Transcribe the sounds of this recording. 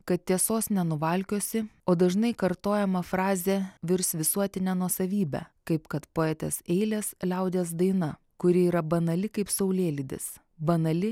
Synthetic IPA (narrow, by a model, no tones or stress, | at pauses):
kɐt̪̚t̪ʲiɛsoːsnʲɛnʊʋɐlʲkʲoːsʲɪoːd̪ɐʒnɐɪkɐɾt̪oːjɛmɐfɾɑːzʲeʋʲɪɾsʋʲɪsuɔt̪ʲɪnʲæːnuɔsɐʋʲiːbʲæ̰kɐɪpkɐt̪poːɛːt̪ʲeːsɛɪlʲeːslʲɛʊd̪ʲeːs̬d̪ɐɪnɐ | kʊɾʲɪiːɾɐbɐnɐlʲɪkɐɪpsɐʊlʲeːlʲɪd̪ʲɪ̰s | bɐnɐlʲɪ